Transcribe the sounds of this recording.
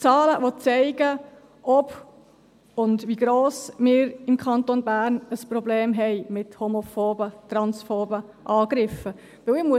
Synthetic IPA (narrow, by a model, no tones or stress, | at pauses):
t͡sɑːləʋɔt͡sɛɪɡə | ʔɔb | ʊndʋiɡɾoːsmɪːɾɪmkʰχɑnt̪onbæːɾnəspɾɔbleːmɦɛɪmɪthomɔfoːbət̪ɾɑnsfoːbəʔɑːɡ̥ɾɪfə | ʋɪwɪmuə